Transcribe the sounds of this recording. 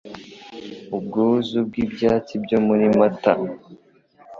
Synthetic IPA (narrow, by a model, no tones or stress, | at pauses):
ub̚ɡuːzub̚ɡibjaːt͡sibɟomuɾimata̰